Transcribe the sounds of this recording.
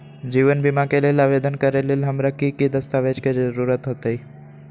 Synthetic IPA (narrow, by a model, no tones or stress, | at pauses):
d͡ʒiːʋənbimakelelaʋed̪ənkəɾelelɦɐmɾakikid̪əst̪aʋed͡ʒked͡ʒəɾuːɾət̪ɦot̪eɦi